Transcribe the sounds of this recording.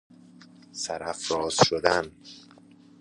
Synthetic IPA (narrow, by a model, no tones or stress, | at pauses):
sæɾæfɾɒːz̥ʃod̪æn